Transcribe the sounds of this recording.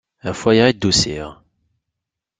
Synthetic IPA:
æfæjəʁid̪ːusḭʁ

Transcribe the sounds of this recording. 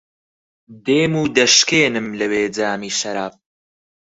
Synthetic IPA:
d̪eːmuːd̪ɐʃkeːnɨmlɐweːd͡zaːmiːʃɐɾaːp̚

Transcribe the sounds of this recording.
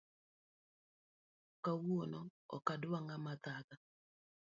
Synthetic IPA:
kawonɔɔ̰kadʊaŋamat̪ata

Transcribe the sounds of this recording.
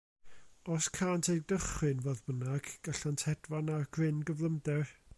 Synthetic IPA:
ɔskʰaːntʰej̚dəχwɨnvoːðbənaɡ̥ɡ̥aɬantʰɛdvanarɡ̥rɪnɡəvlˠəmdɛr

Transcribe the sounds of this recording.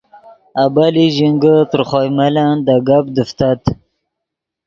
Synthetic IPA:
abaliʒiŋɡət̪əɾχojmaland̪aɡabd̪əft̪at̪

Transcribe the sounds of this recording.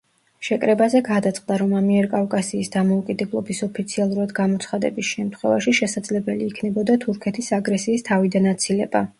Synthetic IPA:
ʃɛkʼɾɛbazɛɡad̪at̪sʼχʼd̪aɾɔmamiɛɾkʼavkʼasiːsd̪amɔukʼid̪ɛblˠɔ̰bisɔpʰit̪sʰialˠuɾad̪ɡamɔt̪sʰχad̪ɛ̰bisʃɛmt̪ʰχwɛvaʃiʃɛsad̪zlɛbɛliːkʰnɛbɔd̪at̪ʰuɾkʰɛt̪ʰisaɡɾɛsiːst̪ʰavid̪anat̪sʰilɛba

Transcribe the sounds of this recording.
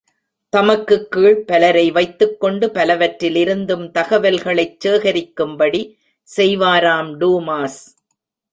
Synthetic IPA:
t̪ɐmɐkːɯkːiːɭpɐlɐɾɐɪʋɐɪt̪ːɯkːɔɳɖɯpɐlɐʋɐʈɾɪlɪɾɯnd̪ɯmt̪ɐɣɐʋɐlɣɐɭɐɪt͡ʃːeːɣɐɾɪkːɯmbɐɽi | sɛjʋaːɾaːmɖuːmaːs

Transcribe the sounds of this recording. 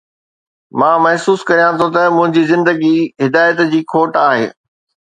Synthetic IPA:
mãːmɐɦsuːskɐɾijãt̪ʰõt̪ɐmʊ̃ɦɪ̃ɲd͡ʑiːzɪ̃nd̪əɡiɦɪd̪aːjət̪d͡ʑiːkʰoːʈaːɦḛː

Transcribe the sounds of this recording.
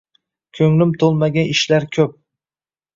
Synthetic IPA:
kʲʰɵŋlɪmt̪ʰolˠmaɡʲanɪʃlaɾkʲʰɵp̚

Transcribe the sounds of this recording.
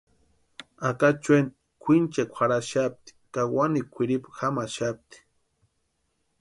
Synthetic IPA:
akat͡ʃwen | kʷʰint͡ʃekʷʰaɾaʃap̚t̪i̥kawanikʷʰiɾipxamaʃap̚t̪i̥

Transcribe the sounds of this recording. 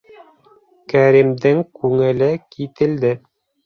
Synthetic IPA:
kæɾimd̪ɘŋkʉŋɘ̆lɘkit̪ɘ̆ld̪ɘ

